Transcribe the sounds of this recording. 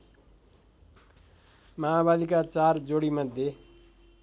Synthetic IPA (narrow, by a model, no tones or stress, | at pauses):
maabalikat͡sard͡zoɽimʌd̪ʱje